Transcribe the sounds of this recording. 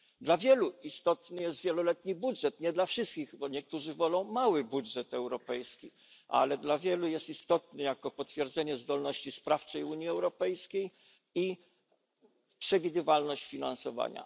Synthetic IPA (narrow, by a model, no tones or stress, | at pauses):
d̪lavʲjɛluist̪ɔt̪nɘjɛst̪vʲjɛlɔlɛt̪ɲibudʐɛt̪ɲɛd̪lafʂɘst̪kʲiɣbɔɲɛk̚t̪uʐɘvɔlɔ̃w̃mawɘbudʐɛt̪ɛwɾɔpɛjskʲi | ʔa̰lɛd̪lavʲjɛlujɛst̪ist̪ɔt̪nɛjakɔpɔt̪fʲjɛɾd̪zɛɲɛzd̪ɔlnɔɕt͡ɕispɾaft͡ʂɛjuɲjiɛwɾɔpɛjskʲej | i | pʂɛvʲid̪ɘvalnɔɕt͡ɕfʲina̰nsɔva̰ɲa̰